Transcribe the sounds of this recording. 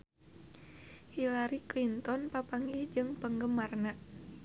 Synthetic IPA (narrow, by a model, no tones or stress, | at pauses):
hilaɾiklint̪ɔnpapaŋihd͡ʒɨŋpəŋɡəmarnaʔ